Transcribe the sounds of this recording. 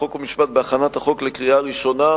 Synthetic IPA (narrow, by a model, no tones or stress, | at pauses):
o̞komiʃpat̪̚beaχanat̪haχo̞klekʁiaʁiʃo̞na